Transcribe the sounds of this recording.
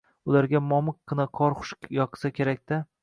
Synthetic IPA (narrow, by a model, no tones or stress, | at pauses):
ʊlˠaɾɡʲamɒmɨqːɨnaqʰɒɾχʊ̥ʃjɒqʰɨ̥sakʲʰe̞ɾak̚ʲd̪a